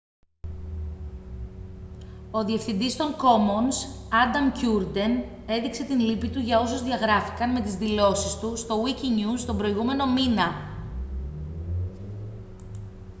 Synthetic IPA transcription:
o̞ðie̞fθind̪ist̪o̞ŋko̞monsɐd̪ɐmcuɾd̪e̞n | e̞ðikse̞t̪inlipit̪uʝɐo̞sozðiɐɣɾɐfi̥kɐnme̞t̪izðilo̞sist̪ust̪o̞wiciɲust̪o̞bɾo̞iɣume̞no̞minɐ

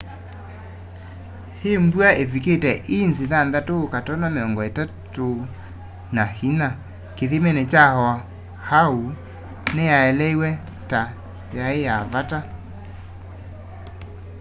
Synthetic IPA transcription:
hembuaʔeviketɛʔinziðanðatoːkatɔnameɔŋɡɔetato | nahina | keðimɛnɛt͡ʃahɔa | hau | nɛjaɛlɛiwɛ | ta | jaejavata

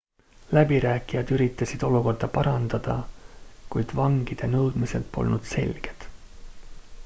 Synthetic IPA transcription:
læbiɾæːkːˑijɑd̪̥yɾit̪ːˑɑsid̪̥o̞luko̞rd̪ɑpɑɾɑnd̪̥ɑd̪̥ɑ | kujd̪̥vɑŋɡ̥id̪̥e̞nɤwd̪̥mise̞̰lt̪po̞̰lnud̪̥se̞̰lʲɡ̥e̞d̪̥

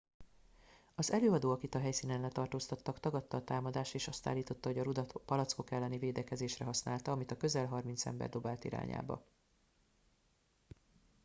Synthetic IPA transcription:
ɒzɛløːɒd̪oːɒkit̪ɒɦɛjsiːnɛnlɛt̪ɒrt̪oːst̪ɒt̪ːɒkt̪ɒɡɒt̪ːɒːt̪aːmɒd̪aːʃt̪eːʃɒst̪a̰ːlːiːt̪o̞t̪ːɒɦo̞ɟɒɾud̪pɒlɒt̪sko̞kɛlːɛniveːd̪ɛkɛzeːʃrɛɦɒsnaːlt̪ɒɒmit̪ɒkø̞zɛlɦɒrmin̪t̪sɛ̰mbɛ̰rd̪o̞baːlt̪ḭɾa̰ːɲa̰ːbɒ̰

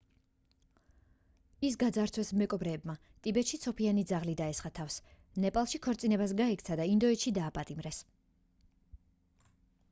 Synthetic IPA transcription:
is̬ɡad̪zaɾt̪swɛsmɛkʼɔbɾɛːbma | t̪ʼibɛt̪ʃit̪sʰɔpʰianid̪zaʁlid̪aɛsχat̪ʰafs | nɛpʼalˠʃikʰɔɾt̪sʼinɛbas̬ɡaɛkʰt̪sʰad̪aind̪ɔɛt̪ʃid̪aːpʼat̪ʼimɾɛs

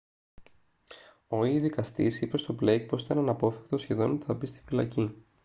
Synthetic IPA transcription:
o̞iðikɐst̪isipe̞st̪o̞ble̞jk̚po̞sit̪ɐnɐnɐpo̞θekt̪osçe̞ðo̞not̪eθɐpist̪i̥filɐ̰ci

